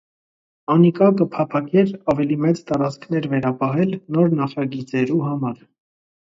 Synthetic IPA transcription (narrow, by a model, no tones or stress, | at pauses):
ɑnikɑkəpʰɑpʰɑkɛɾɑvɛlimɛt͡st̪ɑɾɑt͡sʰkʰn̪ɛɾvɛɾɑpɑɦɛlnɔɾnɑχɑɡit͡sɛɾuɦɑmɑɾ